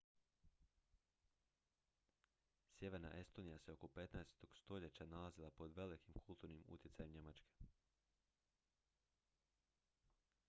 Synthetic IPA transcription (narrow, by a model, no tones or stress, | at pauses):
sje̞ʋe̞ɾna̰ʔe̞st̪o̞nijase̞oko̞pe̞t̪naest̪o̞ɡ̥st̪o̞ʎe̞t͡ɕanalazilˠapo̞d̪ʋe̞likimkʰulˠt̪uɾnimṵt̪jesajemɲe̞mat͡ʃke̞̥